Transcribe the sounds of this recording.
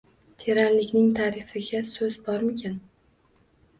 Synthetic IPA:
t̪ʰe̞ɾaɾlɪkʲnɪŋt̪ʰaːɾɪfɪɡʲasɵzbɒɾmɪkʲʰan

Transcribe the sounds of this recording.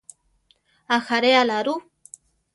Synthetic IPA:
axaɾealaɾu

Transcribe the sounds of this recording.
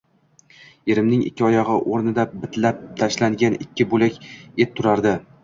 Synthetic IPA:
e̞ɾɪmnɪŋɪ̰kʲːɒjɒʁɨʔoɾnɪd̪abɪt̪lap̚t̪ʰaʃlaŋɡʲanɪkʲʰːɪbolakʲe̞t̪ʰːʊɾaɾd̪ɪ

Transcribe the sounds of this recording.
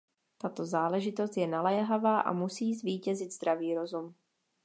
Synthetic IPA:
t̪at̪o̞zaːlɛʒɪt̪o̞s̬t̪jɛnalɛːɦavaːʔa̰musiːzviːcɛzɪd̪zd̪ɾaviːɾo̞zum

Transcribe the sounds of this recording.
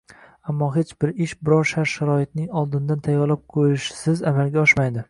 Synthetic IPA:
amːɒɦet͡ʃbɪɾɪʃbɪɾɒɾʃaɾʃaɾɒɪt̪̚nɪŋɒlˠd̪ɪnd̪ant̪ʰajɒɾlap̚qʰojɪʃɪ̥sɪzamalɡʲaɒʃmajd̪ɪ

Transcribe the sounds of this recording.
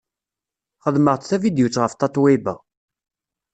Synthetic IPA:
χəðməʁt̪θævid̪jut͡sːʁəft̪ɑt̪ˤwibə̰

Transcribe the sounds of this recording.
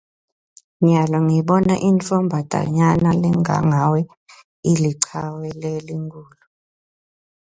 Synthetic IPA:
ɲalɔŋiɓɔnaʔint͡sʼɔmbʱad̥ʱa̰ɲanalɛŋʱa̰ŋawɛ | iliǀʰawɛleliŋkʰʼuːlu

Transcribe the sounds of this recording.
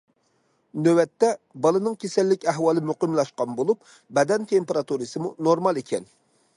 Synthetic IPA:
nøwɛt̪ːɛbɑlˠɨnɨŋkʲʰesɛlːɪkʲɛɦwɑːlˠɨmyqəmlˠɑʃqɑnbolˠup̚ | bɛd̪ɛnt̪ʰempeɾɑt̪uɾɨsɨmunoɾmɑlˠekʲʰɛn

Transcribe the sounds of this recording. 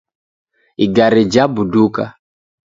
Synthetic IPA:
iɡaɾɛd͡ʒabuduka̰

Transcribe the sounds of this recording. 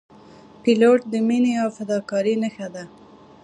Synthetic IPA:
piloʈ̚d̪əmineawfad̪ɑkɑɾinəxad̪a

